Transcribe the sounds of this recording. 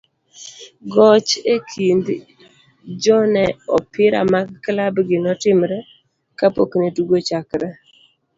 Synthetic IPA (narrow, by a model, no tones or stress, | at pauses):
ɡɔt͡ʃekʰind̪ | d͡ʒɔnɛɔpɪɾa̰maɡklabɡɪnɔtɪmɾɛ | kapo̰kneduɡot͡ʃakɾɛ